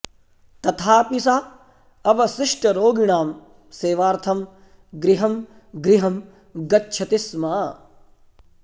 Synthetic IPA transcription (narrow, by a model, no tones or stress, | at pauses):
t̪ɐt̪ʰaːpisa | ɐʋɐsiʂʈɐɾoːɡiɳaːm | seːʋaːɾt̪ʰɐm | ɡɾiɦɐm | ɡɾiɦɐm | ɡɐtːʃʰɐt̪ismaː